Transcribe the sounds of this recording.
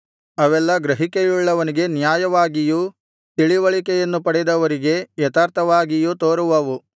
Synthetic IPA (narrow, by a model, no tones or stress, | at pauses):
ɐʋɛlːɐɡɾɐɦikejuɭːɐʋɐniɡe̞njaːjɐʋaːɡiju | t̪iɭiʋɐɭikɛjɐnːupɐɽɛd̪ɐʋɐɾiɡe̞jɐt̪aːɾt̪ʰɐʋaːɡijut̪oːɾuʋɐʋu